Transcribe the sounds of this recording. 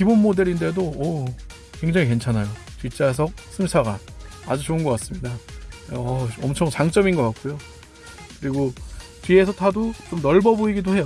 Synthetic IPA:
kibonmode̞ɾinde̞doʌ | kwe̞ŋd͡ʑaŋike̞nt͡ɕʰanajo | t͡ɕit͡ɕ͈as̬ʰʌk̚s͈ɯmsʰaɡaad͡ʑut͡ɕoɯnɡʌk͈as͈ɯmɲida | ʌʌmt͡ɕʰʌŋt͡ɕaŋt͡ɕ͈ʌminɡʌk͈at̚k͈ojo | kɯɾiɡo | tɥie̞sʰʌtʰadot͡ɕomnʌɭbʌboiɡidohe̞jʌ

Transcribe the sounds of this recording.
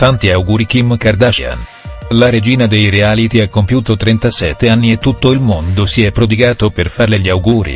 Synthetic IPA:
t̪ant̪iawɡuːɾikimkard̪at͡ʃia̰n | laɾed͡ʒiːnad̪ejɾeaːlit̪iɛkːompjuːt̪ot̪ɾent̪asɛt̪ːeanːiet̪ːut̪ːoilmond̪osiɛpːɾod̪iɡaːt̪operfarleʎiawɡuːɾḭ

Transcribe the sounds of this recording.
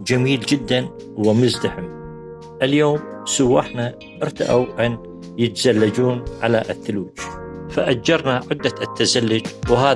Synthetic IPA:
d͡ʒamiːld͡ʒɪd̪ːan | wɪmʊzd̪aħɪm | ʔɪljoːm | sʊwːaħna | ʔɪɾt̪a̰ʔawʔan | jɪt̪zalːad͡ʒuːnʕalaʔɪθːʊluːd͡ʒfaʔad͡ʒɑɾˤnaʕɪd̪ːat̪ːazalːʊd͡ʒwɦaː

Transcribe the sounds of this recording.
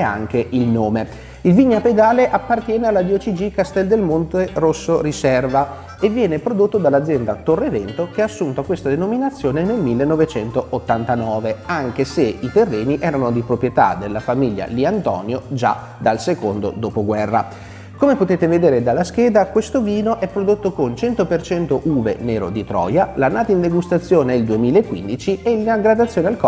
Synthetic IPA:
ɛa̰ŋk̟eʔilnoːme | ilviɲːaped̪aːleʔapːart̪jɛːnealːad̪iɔt͡ʃid͡ʒikast̪ɛld̪elmont̪erosːoɾisɛrva | evːjɛːnepɾod̪ot̪ːod̪alːad̪zːjɛnd̪at̪orːevɛnt̪ok̟eaːsːunt̪oakːwest̪ad̪enominat̪sːjoːnenelmilːenːɔvet͡ʃɛnt̪oʔot̪ːant̪anɔːveaŋk̟eseit̪erːeːniʔɛːɾanod̪ipɾopɾjet̪a̰d̪elːafamiʎːa̰liant̪ɔ̰ːnjod͡ʒa̰ | d̪alsekond̪o̰d̪opoɡwɛrːa | komepot̪eːt̪eved̪eːɾed̪alːask̟eːd̪akwest̪oviːnoʔɛpːɾod̪ot̪ːokont͡ʃɛnt̪opert͡ʃɛnt̪oʔuːvḛneːɾo̰d̪it̪ɾɔ̰ːjalanaːt̪aind̪eɡust̪at̪sːjoːneild̪uemiːlaekːwḭnd̪it͡ʃielinaɡɾad̪at̪sːjoːnealkɔ

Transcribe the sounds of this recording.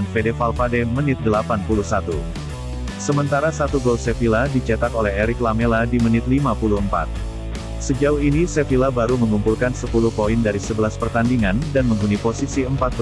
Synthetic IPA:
nfedefalfadɛmənɪt̪̚dəlapanpuluhsat̪u | səmənt̪aɾasat̪uɡolsefiladit͡ʃɛt̪akolɛɦeɾɪklameladimənɪt̪limapuluəmpa̰t̪̚ | səd͡ʒauinisefilabaɾuməŋumpulkansəpuluhpoindaɾisəbəlaspərt̪andiŋandanməŋɡuniposisiəmpat̪̚

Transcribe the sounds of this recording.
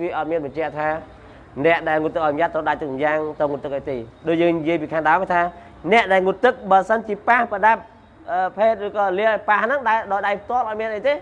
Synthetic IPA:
ʋiəʔɑt̪̚miənɓɑɲt͡ɕɛ̆əʔt̪ʰaː | nɛ̆əʔɗaɛlŋut̪ːɨkʔaɔjmɲat̪ːowɗac̚t̪ɨk̚mjaːŋt̪ɨwŋut̪ːɨk̚ʔaɔjt̪eːɗoːc̚jəːŋnijiəjpiːkʰaːŋɗaɔmajt̪ʰaː | nɛ̆əʔɗaɛlŋut̪ːɨk̚ɓəːsənt͡ɕiəpahpəɗap̚ | ʔəːpʰeːt̪̚rɨːkɑːliəʔaɔjpahnɨŋɗaɗaːjɗajp̚ʰt̪ŏəlʔaɔjmiənʔəjt̪eː

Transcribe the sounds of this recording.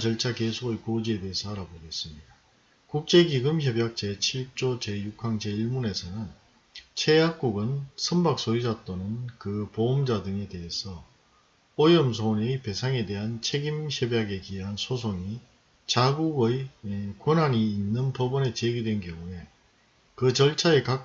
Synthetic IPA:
t͡ɕʌɭt͡ɕʰakesʰoɡɯjkod͡ʑie̞deesʰʌaɾaboɡe̞s͈ɯmɲida | kuk̚t͡ɕ͈e̞kiɡɯmçjʌbjak̚t͡ɕ͈e̞t͡ɕʰiɭ̚t͡ɕ͈ot͡ɕe̞juk͈ʰːaŋd͡ʑe̞iɭmune̞sʰʌnɯn | t͡ɕʰe̞jak̚k͈uɡɯnsʰʌmbak̚s͈oid͡ʑat͈onɯnkɯpoːmd͡ʑadɯŋe̞de̞ɦesʰʌ | ojʌmsʰonepe̞sʰaŋe̞de̞ɦant͡ɕʰe̞ɡimçʌbjaɡe̞kiɦansʰosʰoŋi | t͡ɕaɡuɡɯikwonaɲiːnːɯnpobʌne̞t͡ɕeɡidwe̞nkjʌŋue̞ | kɯt͡ɕʌɭt͡ɕʰaeka

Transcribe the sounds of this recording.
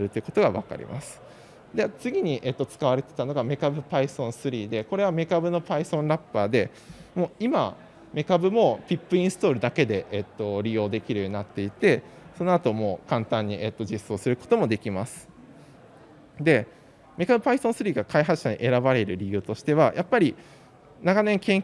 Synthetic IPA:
ɾɯ̟t̪oiɯ̟ko̞t̪o̞ɡaβa̰ka̰ɾʲḭmʔa̰sɨ̥ | d̪et͡sɨɡʲiɲ̟iʔe̞t̪ːo̞t͡sɨ̥kaβ̞aɾe̞t̪e̞̥t̪ano̞ɡame̞kabɯ̟paisõ̞ɰ̃sɨɾʲiːd̪e̞ko̞ɾe̞β̞ame̞kabɯ̟no̞paisõ̞nɾapːaːd̪e̞ | mo̞ːima | me̞kabɯ̟mo̞pʲipːɯ̟ĩɰ̃sɨ̥t̪o̞ːɾɯ̟d̪ake̞d̪e̞ʔet̪ːo̞ɾʲijo̞ːd̪e̞kʲiɾɯ̟jo̞ɲinat̪ːe̞it̪e̞so̞no̞at̪o̞mo̞ːkãnt̪ãɲ̟ːie̞t̪ːo̞d͡ʑiso̞ːsɨɾɯ̟ko̞̥t̪o̞mo̞d̪e̞kʲimasɨ̥ | d̪e̞ | me̞kabɯ̟paisõ̞ɰ̃sɨɾʲiːɡakaiɦḁɕaɲ̟ḭʔe̞ɾabaɾe̞ɾɯ̟ɾʲijɯ̟ːt̪o̞ɕi̥t̪e̞βajʔapːaɾʲi | naɡanẽ̞ŋkẽ̞ŋ

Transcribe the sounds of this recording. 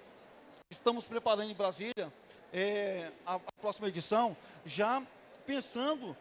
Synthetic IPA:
ɪst̪ɐ̃mʊspɾepaɾɐ̃nd̪ʊɪ̃bɾaziljɐ | ɛaːpɾɔsimɐed͡ʒisɐ̃w̃ | ʒa | pẽsɐ̃nd̪ʊ

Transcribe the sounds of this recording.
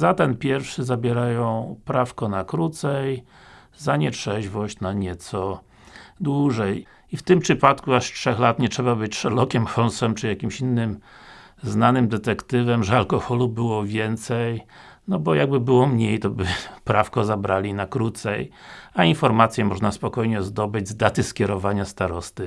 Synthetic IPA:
zat̪ɛnpʲjɛɾfʂɘzabʲjɛɾajɔ̃w̃pɾafkɔnakɾut̪sɛj | zaɲɛtʂɛʑvɔɕt͡ɕnaɲɛt̪sɔ | d̪wuʐɛj | ift̪ɘmpʂɘpat̪kuaʂtʂɛxlat̪ɲɛtʂɛbabɘt͡ɕʂɛlɔkʲɛmxɔnsɛmt͡ʂɘjakʲimɕinːɘm | znanɘmd̪ɛt̪ɛkt̪ɘvɛmʐɛalkɔxɔlubɘwɔvʲjɛnt̪sɛjnɔbɔjaɡ̚bɘbɘwɔmɲejt̪ɔbɘpɾafkɔzabɾalʲinakɾut̪sɛjainfɔɾmat̪sʲjɛmɔʐnaspɔkɔjɲɛzd̪ɔbɘd͡ʑʲzd̪at̪ɘskʲjɛɾɔvaɲast̪aɾɔst̪ɘ

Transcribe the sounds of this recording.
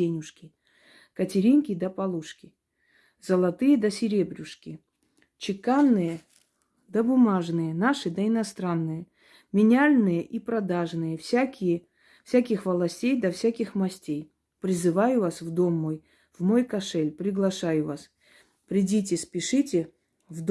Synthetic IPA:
enʲʊʂkʲɪ | kətʲɪɾʲinkʲɪd̪əpɐlˠuʂkʲɪ | z̥əlˠɐt̪ɨjəd̪əsʲɪɾʲebɾʲʊʂkʲɪ | t͡ɕɪkanːɨjə | d̪əbʊmaʐnɨjənaʂɨd̪əɪnɐst̪ɾanːɨjə | mʲɪnʲalʲnɨjəʔipɾɐd̪aʐnɨjəfsʲakʲɪjə | fsʲakʲɪxvəlˠɐsʲtʲejd̪ɐfsʲakʲɪxmɐsʲtʲej | pɾʲɪzɨvajʊvasvd̪o̞mːo̞j | vmo̞jkɐʂɛlʲpɾʲɪɡlˠɐʂajʊvas | pɾʲɪdʲit̬ʲɪspʲɪʂɨtʲɪ | vd̪

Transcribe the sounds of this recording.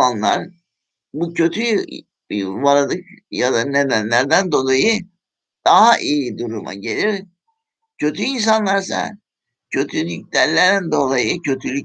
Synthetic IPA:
anlˠa̰ɾ | bucʰø̞t̪ʰy | vaɾad̪ɯkjad̪ane̞d̪ænlʲæɾd̪ænd̪o̞lˠajɯ | d̪̥aɦaʔijid̪uɾuma̰ɟe̞lʲiɾ | cʰø̞t̪ʰyins̬anlˠaɾsa̰ | cʰø̞t̪ʰylʲyc̚læɾlʲæɾnd̪o̞lˠajɯcʰø̞t̪ʰylʲy

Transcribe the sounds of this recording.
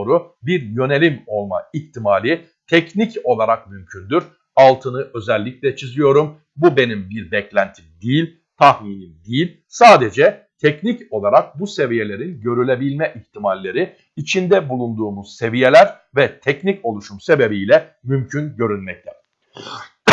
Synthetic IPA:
ɾubiɾjø̞ne̞lʲimo̞lˠmaiçt̪ʰimaːlʲi | t̪ʰɛcnico̞lˠaɾak̚mymcʰynd̪yɾ̥ | alˠt̪ʰɯnɯʔø̞zɛlʲːiclʲɛt͡ʃʰizijo̞ɾum | bube̞nimbiɾbɛclʲænt̪ʰimd̪ijilʲ | t̪ʰahmiːnimd̪ijilʲ | saːd̪ed͡ʒɛt̪ʰɛcnico̞lˠaɾak̚buse̞vije̞lʲe̞ɾinɟø̞ɾylʲe̞bilʲmɛʔiçt̪ʰimalʲːe̞ɾi | it͡ʃʰind̪ɛbulˠund̪uːmuz̥se̞vije̞lʲæɾ | vɛt̪ʰɛcnico̞lˠuʃumse̞be̞bijlʲɛ | mymcʰynɟø̞ɾynmɛc̚t̪ʰɛ

